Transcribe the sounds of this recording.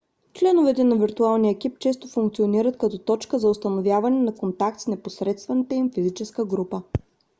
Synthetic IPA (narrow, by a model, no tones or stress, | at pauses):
t͡ʃlɛnovɛt̪ɛnɐviɾt̪ualˠnijəɛk̟ip̚t͡ʃɛs̬t̪ofuŋkt̪sioniɾət̪kɐt̪ɔt̪ɔt͡ʃkəzɐʊst̪ɐnovjavɐnɛnɐkont̪ak̚t̪snɛposɾɛt̪st̪vɐnit̪əimfizit͡ʃɛskəɡɾupə